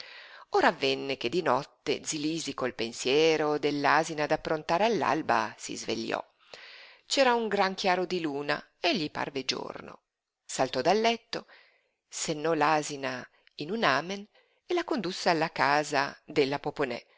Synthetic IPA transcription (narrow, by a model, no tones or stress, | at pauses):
oːɾaːvːɛnːek̟ed̪ːinɔt̪ːḛd̪ziliːzikolpensjɛːɾod̪elːaːzinad̪apːɾont̪aːɾealːa̰lba̰sḭzvḛʎːɔ̰ | t͡ʃɛːɾauŋɡɾaŋk̟jaːɾod̪iluːna̰ | eʎːipa̰rved͡ʒo̰rno̰ | salt̪ɔd̪alːɛt̪ːo | senːɔlaːzina | inunaːmen | elakond̪usːealːakaːzad̪elːapoponɛ̰